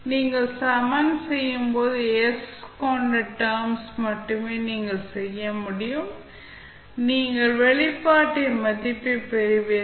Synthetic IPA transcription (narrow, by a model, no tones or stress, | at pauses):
niːŋɡɐɭsɐmɐnsɛjːɯmpoːðɯɛskoːɳɖɐʈːɐːmsmɐʈːɯmeːniːŋɡɐɭsɛjːɐmʊɽɪjɯm | niːŋɡɐɭʋɛɭɪpːaːʈːɪmɐðɪpːɯpɛɾɯʋeː